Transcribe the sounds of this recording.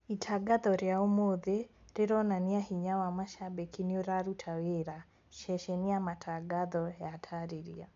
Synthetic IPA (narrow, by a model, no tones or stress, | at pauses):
itʰaɡaðɔɾjaomoðeɾeɾɔnaniahiɲawamaʃabekinioɾaɾutʰaweɾa | ʃɛʃɛniamatʰaɡaðɔjatʰaɾeɾḭa̰